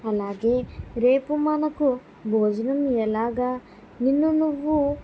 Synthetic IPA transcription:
ɐlːaːɡeɾeːpumaːnɐku | bʱoːd͡ʒɐnɐmijɐlaːɡɐ | ninːunuʋːu

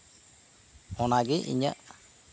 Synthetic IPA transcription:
hɔnaɡɛʔḭɲə̰ʔ

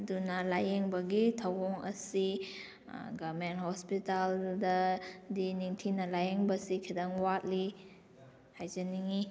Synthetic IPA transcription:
dunɐlajeŋbɐɡitʰawɔŋɐ̰si | ɡamenthɔspitaldɐdiniŋtʰinɐlajeŋbɐsikʰidaŋwat̚li | hajzɐniŋi

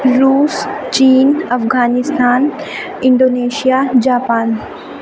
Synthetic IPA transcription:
ɾuːst͡ɕiːnɐfɡaːnɪst̪ʰaːn | ɪ̃ɳɖoːneːʃijad͡ʑaːpaːn

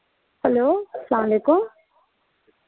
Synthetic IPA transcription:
hɛloːslaːmleːkʊm

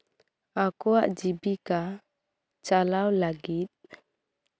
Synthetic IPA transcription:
akua̰ʔd͡ʒibika | t͡ʃalawlaɡit̚

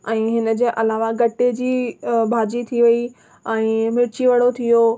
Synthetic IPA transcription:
ɛ̃ːɦɪnə̆d͡ʑeːʔɐlaːʋaɡɐʈed͡ʑiːbʱaːd͡ʑit̪ʰiʋɐi | ɛ̃ːmɪɾt͡ɕiʋəɽot̪ʰijo

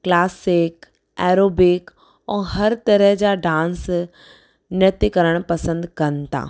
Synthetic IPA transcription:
klaːsɪk | ɛːɾoːbɪk | ɛ̃ːɦɐɾt̪ɐɾəɦd͡ʑaːɖãːns | nɐt̪ikɐɾəɽ̃pɐsə̃nd̪kɐnt̪ʰa̰ː

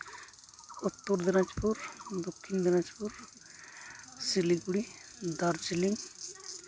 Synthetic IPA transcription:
ut̪ːuɾd̪iɾad͡ʒpuɾd̪okʰːind̪iɾad͡ʒpuɾ | siliɡuɽid̪aɾd͡ʒiliŋ

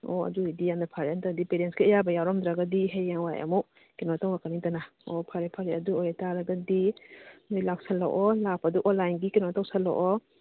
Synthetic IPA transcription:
ɔɐ̰duidijandapʰaɾeantadipeɾenskijabɐjawɾɔmd̪ɾaɡadiɦejjaŋwajɐ̰mu | kenɔtawakaniŋtana | ɔpʰaɾepʰaɾeɐduojataɾɐɡɐdinojlaksala̰wʔɔlak̚paduʔɔnlajnɡikenɔtawsalɔ̰ʔɔ

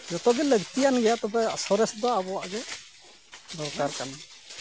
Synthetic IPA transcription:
d͡ʒɔt̪ɔɡɛləɡt̪ijanɡɛjat̪ɔbɛasɔɾɛsd̪ɔabɔwaʔɡɛ | d̪ɔɾkaɾkan

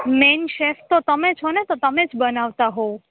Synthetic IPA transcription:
menʃeft̪ot̪əmet͡ʃʰonet̪ot̪əmed͡ʒbənaʋt̪aɦo

